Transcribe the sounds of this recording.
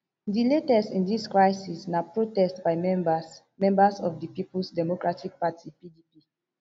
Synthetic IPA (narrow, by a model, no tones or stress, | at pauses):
diletɛsĩndiskɹaɪsisnapɹotɛstbaɪ | mɛ̃mbasɔfdipiplsdɛmɔkɹatʰik̚patʰipidipi